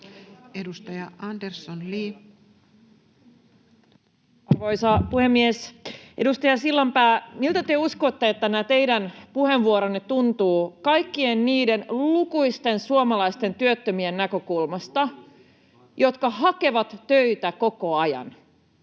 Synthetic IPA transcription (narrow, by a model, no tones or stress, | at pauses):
edust̪ɑjɑɑndersːonliː | ɑrʋoisɑpuhe̞mːiesʔedust̪ɑjɑsilːɑmpæːmilt̪æt̪yøusko̞t̪ːeet̪ːænæt̪e̞idænpuheʋʋuoɾonːet̪unt̪uːkɑjkːienniːde̞nlukuist̪e̞nsuomɑlɑjst̪e̞nt̪yøt̪ːømienːækøkulmɑst̪ɑ | jo̞t̪kɑɦɑke̞ʋɑt̪ːøit̪æko̞ko̞ɑjɑ̰n